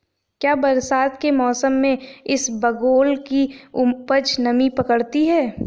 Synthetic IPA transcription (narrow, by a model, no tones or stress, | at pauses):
kjaːbɐɾsaːd̪kemɔːsəmːẽɪsbɐɡoːlkiʊpəd͡ʒnɐmipɐkəɽt̪iɦɛː